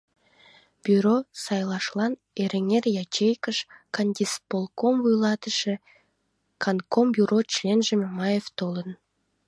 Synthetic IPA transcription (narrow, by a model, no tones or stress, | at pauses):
b̥ʲyɾosɑjlˠɑʃlˠɑn | eɾeŋerjɑt͡ʃejkəʃkɑnd̪ʲispolˠkomvujlˠɑt̪əʃə | kʰɑnkombʲjuɾʔot͡ʃlʲenʒəmʲemɑjeft̪olˠən